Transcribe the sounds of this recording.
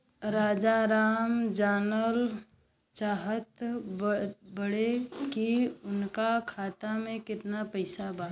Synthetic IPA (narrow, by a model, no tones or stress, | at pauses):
ɾaːd͡ʒaɾaːmd͡ʒaːnəl | t͡ʃaːɦət̪ | bəɽekiʊnkakʰaːt̪amẽkɪt̪napəɪsabaː